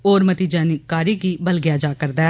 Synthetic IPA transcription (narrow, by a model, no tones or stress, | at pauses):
oːɾmət̪iːd͡ʒɛːnɪkːaːɾiːɡiːbəlɡɪjaːd͡ʒaːkəɾd̪ɛː